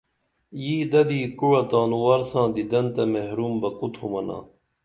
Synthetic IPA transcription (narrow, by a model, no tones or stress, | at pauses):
jiːd̪ɐd̪iːkuɻɐt̪aːnuwaːɾsãːd̪id̪ɐnt̪ɐmehɾuːmbɐkut̪ʰumɐna̰ː